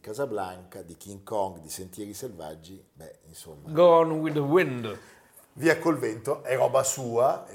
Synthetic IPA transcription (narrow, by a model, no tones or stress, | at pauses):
kaːzablaŋkad̪ikiŋkɔŋɡd̪isent̪jɛːɾiselva̰d͡ʒːi | bɛinso̰mːaɡoɔ̃nwiðəwɪ̃nd | viːakːolvent̪oʔɛɾɔːbasuːa